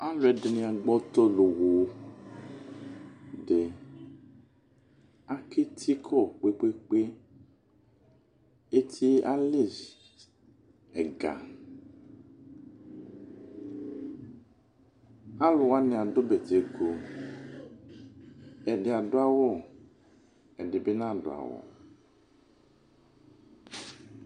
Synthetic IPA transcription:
a˦lwɛ˨de˨nĩ˨a˨ɡ͡bɔ˦t̪ɔ˦lo˨wo˨˦ | ɖe˨ | a˦ke˦t̪ʰi˦kʰɔ˦˨k͡pe˦k͡pe˦k͡pe˦ | e˦t̪ʰi˦a˦le˦˨ | ɛ˨ɡa̰˨ | a˦lɔ˨a˦nẽ˨a˨do˦bɛ˨t̪e˨ɡo˨ | ɛ˨ɖe˨a˨ɖo˦a˦wɔ˦˨ | ɛ˨ɖe˨be˦nã˦˨ɖo̰˨a̰˨wɔ̰˨

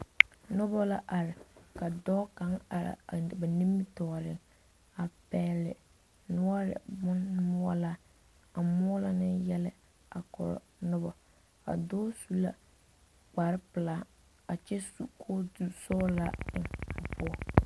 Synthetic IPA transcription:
nʊ˦bɔ˦la˦ʔa˨ɾɪ˨ka˨dɔː˦ka˨˦ŋa̰˨ɾɪ̰˨ba˨ni˦mːi˦tɔ˨ɾɪ˨ŋ | a˨pɛː˦lɪ̰˨ | nʊ˦ɔ˦ɾɪ̰˨bʊ˦nmʊ˦ɔ˦la˦ | a˨mʊ˦ɔ˦la˨nɪ˦jɛ˦lɪ˦ | a˨kɔ̰˨ɾɔ̰˨ | nʊ˦bɔ˨ | a̰˨dɔː˦su˦la̰˦ | k͡pa˨ɾɪ˦pɪ˨la˦ | a˨t͡ʃɛ˦su˦kʰo˦du˦sɔː˦la˦ɪ˨ŋʊ˨pʊ˦ɔ˦

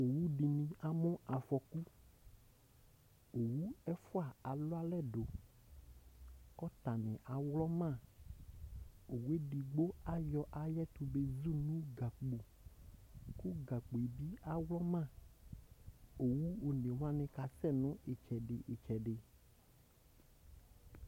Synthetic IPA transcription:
o˨wu˦ɖi˨nĩ˨a˨mʊ̃˦a˨fɔ˨ku˦ | o˨wu˦ɛ˦fʊ˦a˨a˨lʊ˦a˦lɛ˦ɖo˨ | kɔ˦t̪a˨nɪ̃˨ʔa˨wlɔ˦mã˦˨ | o˨wu˦e˦ɖi˨ɡ͡bo˦a˨jɔ˦ʔa˨jɛ˦t̪u˨be˦zu˦nũ˦ɡa˨k͡pu˨ | ku˦ɡa˨k͡po˨e˨bi˦a˨wlɔ˦mã˦˨ | o˨wu˦o˨nẽ˨wa˦nɪ̃˨ka˨sɛ˦˨nʊ̃˦ʔe˨t͡ʃɛ˨ɖɪ˨ʔɪ˨t͡ʃɛ˨ɖɪ˨

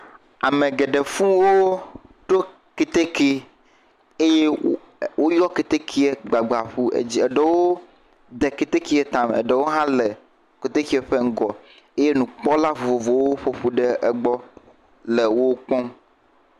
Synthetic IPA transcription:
a˨mẽ˨ɡɛ˨ɖe˨fũ˦wo˦ɖo˦ | ke˨t̪e˦ke˦ | e˦je˦ | wʔo˦jɔ˦ke˨t̪e˦kʰi˦e˨ɡ͡ba˨ɡ͡ba˨ɸu˦ḛ˦d͡ʑi˦ɛ˨ɖe˦wo˦ | d̪ɛ˨ke˦t̪e˦ki˦e˨t̪ã˨mɛ̰˨ɖe˨wo˦ɦã˦lɛ˨ | ke˨t̪e˦ki˦ɛ˨ɸe˦ŋ̩˦ɡɔ˨ | e˦je˦nũ˨k͡pɔ˦la˦vo˨vo˨vo˨wo˦ɸo˨ɸu˨ɖɛ˦ɛ˨ɡ͡bɔ˦ | le˨wo˦k͡pɔ̃˦m

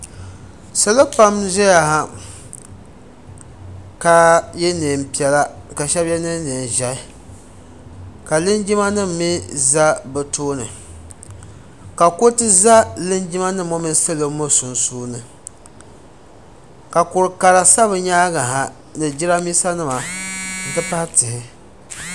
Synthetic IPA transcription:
sɨ˨lɨ˦pa˦mʒɛ˦ja˨ɦa˦ | ka˨jɛ˦neː˨m˨pi˨ɛ˨la˦ka˨ʃɛ˦bjɛ˦nɨ˦ne˨n˨ʒa˦ | ka˨lɨ˦nd͡ʒi˦ma˦nɨ˦m̩˨˦mi˦za˦bɨ˨toː˦nɨ˨ | ka˨ko˦tɨ˦za˦lɨ˦nd͡ʒi˦ma˦nɨ˦mo˦mi˦n˦sɨ˦lɨ˦mo˦sʊ˨nsuː˦nɨ˨ | ka˨kʊ˨ɾɨ˨ka˨la˨sa˦βɨ˨ɲaː˦ɡa˨ɦa˨ | nɨ˨d͡ʒi˦ɾa˦miː˦sa˦nɨ˦ma˨n̩˨tɨ˦pa˦htɨ˨hɪ˨

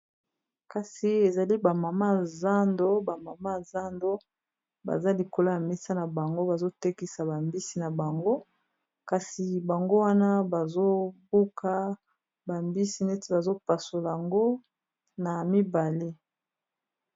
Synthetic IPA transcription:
ka˨si˨e˨za˨li˦ba˨ma˨ma˦za˦ndo˦ba˨ma˨ma˦˨za˦ndo˦ | ba̰˨za˦li˨ko˨lo˦ja˨mɛ˦sa˦na˨ba˨ŋɡo˦ba˨zo˦te˦ki˦sa˨ba˨mbi˦si˨na˨ba˨ŋɡo˦ | ka˨si˨ba˨ŋɡo˦wa˦na˦ba˨zo˦bu˦ka˦ | ba˨mbi˦si˦ne˦ti˦ba˨zo˦pa˨so˨la˨a˨ŋɡo˦ | na˨mi˦ba˨le˦

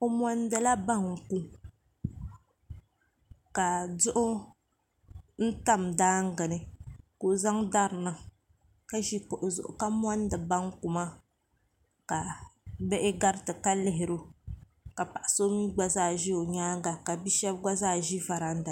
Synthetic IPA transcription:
o˦m˦ɔ˦n˦dɨ˨la˦ba˦ŋ˨ku˦ | ka˨zʊ˦ʔʊ˦ | n̩˦ta˦mdaː˦ŋ˦ɡɨ˨nɨ˨ko˨za˦ŋda˦ɾna˨ | ka˦ʒi˦ko˨ʔʊ˨zʊ̰˨ʔʊ̰˨ka˦m˦a˦n˦dɨ˨ba˦ŋ˦ku˨ma˦ | ka˨bɛ˦ʔɪ˦ɡa˦ɾtɨ˨ka˦lɪ˦ɦɪ˨ɾu˦ | ka˨pa˨ʔa˨so˦mi˦ɡ͡ba˦zaː˦˨ʒi˦o˨ɲaː˦ŋɡa˨ka˨bi˦ʃɛ˦b̚ɡa˦zaː˦˨ʒi˦va˨ɾa˨n̩˦da˨

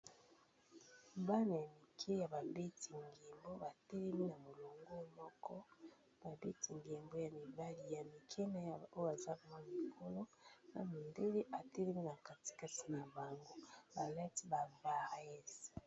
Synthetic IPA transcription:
ba˦na˨ja˨mi˨kʰi˦ja˨ba˨be˦ti˨ŋɡe˨mbo˦ba˨te˦lɛ˦mi˦na˨mo˨lo˨ŋɡo˦mɔ˦kɔ˦ | b̥a˨be˦ti˨ŋɡe˨mbo˦ja˨mi˨ba˦li˨ja˨mi˨kʰe˦na˦ja˨o˦ja˨za˦˨mwa˦n˨i˨kʰo˦lo˦na̰˨mi˨nde˦le˦ʔa˨te˦lɛ˦mi˦na˨ka˨ti̥˨ka˦ti˨na˨ba˨ŋɡo˦ba˨la˦ti˦ba˨va˦˨ɛ˦s

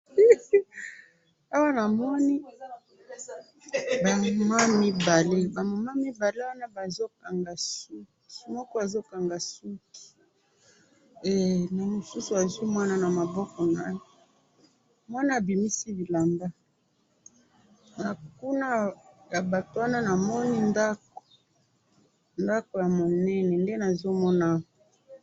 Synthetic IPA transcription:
a˦wa˦na˨mɔ˦ni˦ | ba˨ma˦mi˦ba˨le˦ba˨mo˨ma˦mi˦ba˨le˦wa˦na˦ba˨zo˦ka˨ŋɡa˨su˦ | mɔ˦kɔ˦a˨zo˦ka˨ŋɡa˨su˦ki̥˨ | e˨na˨mo˨su˦su˨a˨zwi˦mwa˦na˦na˨ma˨bɔ˦kɔ˨na˦jo˦ | mwa˦na˦a˨bi˨mi˦si˦bi˨la˨mba˦ | na˨ku˦na˦ja˨ba˨to˨wa˦na˦na˨mɔ˦ni˦nda˦ko̥˨ | nda˦ko˨ja˨mo˨nɛ˦nɛ˨nde˦na˨zo˦mɔ˦na˦wɔ˨

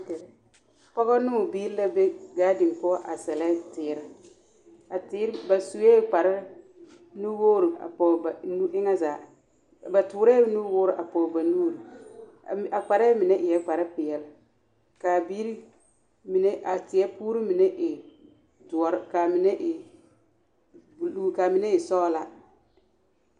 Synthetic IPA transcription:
ɛ˨˦ | pɔ˦ɣɔ˦nʊː˦˨biː˦ɾla˦be˦ɡaː˦dɪ˨n˨pɔ˦ʔa˨sɛ˨lɛ˦tɪː˨ɾɪ˦ | a˨tɪ˦ɾba˨su˨˦ɛː˦˨k͡pa˨ɾɪ˦ | nu˦woː˦ɾi˨a̰˨pɔ˨ba˨nu˦ɪ˦ŋa˦zaː˨ | ba˨tʊː˨ɾɛ˦nu˦woː˦ɾɪ˨ʔa˨pɔ˨ba˨nuː˦ɾi˨ | a˨k͡pa˨ɾɛː˦mɪ˨nɛ˦ʔɪ˨jɛ˦k͡pa˨ɾɪ˦pɪ˨ɛ˨l | ka˨bi˦ɾi˦ | mɪ˨nɛ˦ʔa˨tɪ˨ɛ˦puː˦ɾi˦mɪ˨nɛ˦ʔɪ˨ | dʊ˨ɔ˨ɾka˨mɪ˨nɛ˦ʔɪ˨ | lu˦ka˨mɪ˨nɛ˦ɪ˨sɔ˦la˦

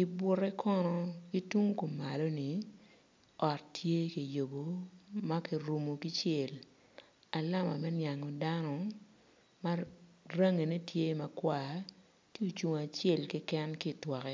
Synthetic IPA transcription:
ki˨bwʊ˦rɛ˦kʰɔ˦nɔ˦ɡi˦twu˦ŋ˦ko˨mːa˨lo˦ni˨ | ɔ˨ttje˦ki˨jo˨bo˨ma˦ki˨ɾu˨mo˨ki˦t͡ʃe˦˨l | a˨la˦ma˨mɛ˦nja˨ŋɔ˨da˦nɔ˦ | ma˦ra˦ŋe˨ne˦tje˦mɐ˦kwa˦˨ | ti˦u˨t͡ʃwo˨ŋ˨a˨t͡ʃe˦˨lki˦kɛ˦nki˦˨twɔ˨kɛ˦

